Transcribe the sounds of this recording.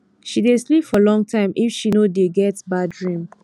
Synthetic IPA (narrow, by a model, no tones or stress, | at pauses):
ʃideslipfɔlɔ̃ŋtʰãɪ̃mʔifʃinodeɡɛtbadɹĩm